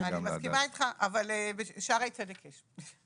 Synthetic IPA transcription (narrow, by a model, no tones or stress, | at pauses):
aimaskimait̪χaʔavalebeʃaʁaitt͡sadekʰeʃ